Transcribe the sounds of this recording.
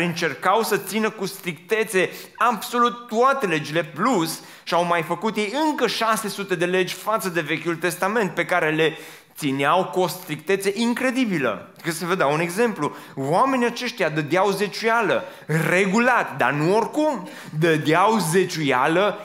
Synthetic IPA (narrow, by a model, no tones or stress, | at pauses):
ɨnt͡ʃe̞rkawsət̪sinəkust̪ɾik̚t̪e̞t̪se̞abso̞lut̪ːuat̪e̞le̞d͡ʒile̞plus | ʃiawmajfəkut̪je̞jɨŋkəʃase̞sut̪e̞d̪e̞le̞d͡ʒʲfat̪səd̪e̞ve̞kʲult̪e̞st̪ame̞nt̪̚pe̞kaɾe̞le̞ | t̪sineawkost̪ɾik̚t̪e̞t̪se̞ʔiŋkɾe̞d̪ibilə̰ikəsəvəd̪awune̞ɡze̞mpluwame̞niat͡ʃe̞ʃt̪jad̪əd̪eawze̞t͡ʃujaləre̞ɡulat̪d̪a̰nuo̞rkum | d̪əd̪eawze̞t͡ʃujalə